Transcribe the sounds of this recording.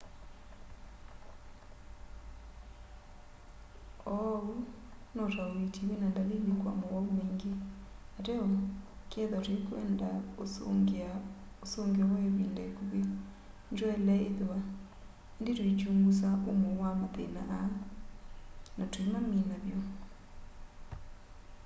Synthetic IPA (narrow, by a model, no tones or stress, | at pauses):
ɔu | nɔtaoɾetiwenandalelekwa̰mɔɣaomeːŋɡeatɛɔkɛðatwekwɛ̰ndao | osoŋɡeɔwɛβiːndɛkuβe | nd͡ʒɔɛlɛeðewa | endetoit͡ʃuːmɡus̬aʔomowamaðḛnaʔː | natwimaminaβjɔ